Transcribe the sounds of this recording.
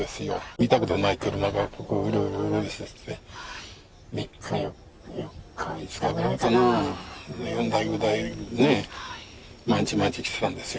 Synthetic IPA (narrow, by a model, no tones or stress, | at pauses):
e̞sɨjo̰it̪akɯ̟t̪onait̪eɾɯ̟naɡakokɯiɾoiɾoiɾod̪esiest̪ːe | mikʰːa | kːisɨ̥kaeasono | jõnd̪aiɡɯd̪aine | mãɲt͡ɕimãɲt͡ɕi̥kʲi̥se̥t̪ãnd̪e̞sɨjo